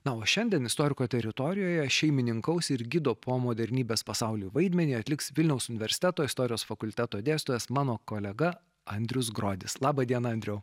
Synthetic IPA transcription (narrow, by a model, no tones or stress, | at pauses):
nɐoːʃʲɛnʲd̪ʲiɛnɪst̪oːɾʲɪkoːt̪ʲɛɾʲɪt̪ɔɾʲɪjoːjɛʃʲɛɪmʲɪnʲɪŋkɐʊsɪɾɡʲɪd̪oːpʰoːmoːd̪ʲɛɾʲnʲiːbʲeːspɐsɑʊlʲuːʋɐɪd̪ʲmʲɛnʲiːɐt̪ʲlʲɪksʋʲɪlʲnʲɛʊsʊnʲɪʋʲɛɾʲsʲɪ̥t̪ʲæt̪oːɪst̪ɔːɾʲɪjoːsfɐkʊlʲt̪ʲæt̪oːd̪ʲeːst̪oːʋʲɛsmɑːnoːkoːlʲɛɡɐ | ɐnʲd̪ʲɾʲʊs̬ɡɾoːd̪ʲɪslˠɑːbɐd̪ʲiɛnɐɐnʲd̪ɾʲɛʊ